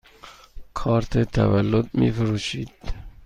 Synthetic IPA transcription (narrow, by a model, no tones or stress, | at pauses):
kʰɒːɾt̪ʰet̪ʰæ̰vælːod̪̚mḭfʊɾuːʃiːd̪̥